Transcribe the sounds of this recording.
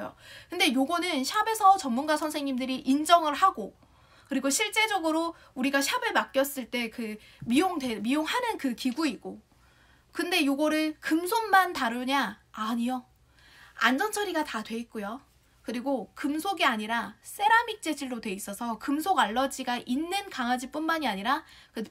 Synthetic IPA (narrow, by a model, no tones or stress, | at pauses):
jo̰kɯnde̞joɡʌnɯnɕʰabe̞sʰʌt͡ɕʌmːunɡasʰʌnsʰe̞ŋɲimdɯɾiʔind͡ʑʌŋɯɭhaɡo | kɯɾiɡoɕʰiɭt͡ɕ͈e̞d͡ʑʌɡɯɾo | uɾiɡaɕʰabɯɭmak͈̚jʌs͈ɯɭt͈e̞kɯ | mioŋde̞mioŋhanɯnkɯkiɡuiɡo | kɯnde̞joɡʌɾɯɭkɯmsʰonmantaɾɯɲaaɲio | a̰nd͡ʑʌnt͡ɕʰʌɾiɡatadwe̞it̚k͈ojo | kɯɾiɡokɯmsʰoɡiaɲiɾas͈ʰe̞ɾamik̚t͡ɕ͈e̞d͡ʑiɭːodwe̞is͈ʌsʰʌkɯmsʰoɡaɭːʌd͡ʑiɡaʔinːɯnkaŋɦad͡ʑip͈unmaɲiaɲiɾa | kɯ